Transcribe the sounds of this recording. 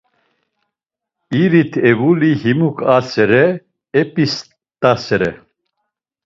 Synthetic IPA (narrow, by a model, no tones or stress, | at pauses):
iɾit̪ʰɛvulihimukʼasɛɾɛ | ɛpʼis | t̪ʼasɛɾɛ̰